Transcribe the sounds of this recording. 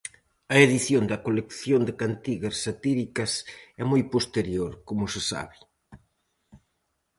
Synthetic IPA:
ɐeðiθjond̪ɐkolekθjond̪ɪkant̪iɣɐsːat̪iɾikɐsɛmojpost̪eɾjoɾkomʊsɪsa̰βɪ

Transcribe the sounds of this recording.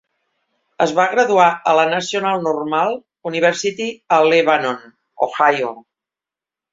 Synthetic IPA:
əzβaɣɾəðuaʔələnəsiunalˠnurmalˠ | uniβ̞ɛɾsit̪iəleβanon | o̰xajo

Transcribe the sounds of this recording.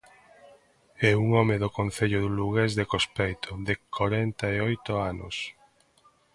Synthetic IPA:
ɛuŋɔmeðokon̟θeʎoðuluɣezðekospejt̪ʰoðekʰoɾɛnt̪aeojt̪oano̰s

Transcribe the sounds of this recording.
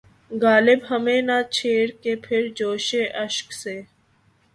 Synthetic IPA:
ɡaːlɪbɦəmẽnat͡ʃʰeːɾkepʰɪɾd͡ʒoːʃeʔəʃkseː

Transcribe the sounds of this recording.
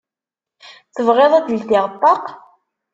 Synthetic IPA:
θəvʁeðˤæd̪lt̪ɪʁət̪ˤːɑq

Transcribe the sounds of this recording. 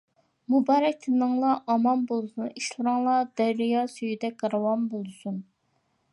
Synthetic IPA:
mubɑːɾɛk̚ʲt̪ʰɨnɨŋlˠɑʔɑmɑnbolˠsuniʃlˠɨɾɨŋlˠɑd̪̥æɾːijɑsyjyd̪ɛk̚ʲqɑɾɑwɑnbolˠɨsun

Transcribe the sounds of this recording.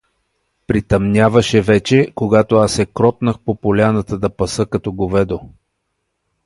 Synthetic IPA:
pɾit̪ɐmnʲavɐʃɛvɛt͡ʃɛkoɡat̪oasɛkɾɔt̪nəxpopolʲanət̪əd̪ɐpɐsɤkɐt̪ɔɡovɛd̪o

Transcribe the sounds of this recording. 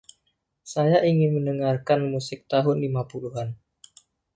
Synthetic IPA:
sajaʔiŋɪnməndəŋarkanmusɪk̚t̪aɦʊnlimapuluɦan

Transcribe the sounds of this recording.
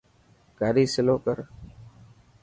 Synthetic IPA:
kaːɾiːsɪloːkəɾ

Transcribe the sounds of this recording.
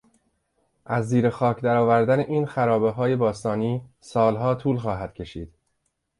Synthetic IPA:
ʔæzːiːɾe̞xɒːcʰd̪æɾɒːvæɾd̪æneʔiːnxæɾɒːbe̞ɦɒːje̞bɒːst̪ɒːniː | sɒːlɦɒːt̪ʰuːlxɒːɦæd̪̥̚cʰe̞ʃiːd̪̥

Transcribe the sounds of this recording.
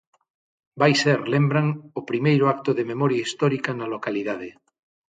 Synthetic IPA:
bajseɾlẽmbɾaŋopɾimejɾoak̚t̪oðememoɾjaist̪oɾikanalokaliðað̞e

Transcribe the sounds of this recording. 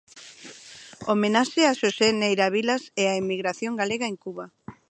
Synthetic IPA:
omenaʃeaʃosenejɾaβilasɛaimiɣɾaθjoŋɡaleɣaeŋkuβa

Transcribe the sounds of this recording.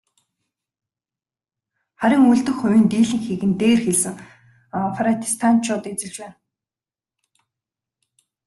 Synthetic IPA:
χæɾʲɪ̆ŋuɮt̪ɵ̆xχʊwʲiːnt̪iːɮɘ̆ŋxiːɣɘ̆nt̪eːrxeɮsɘ̆ŋ | faɾat̪ʰi̥st̪ʰan̥t͡ɕʰʊːt̪et͡sɘ̆ɮt͡ɕwæːn

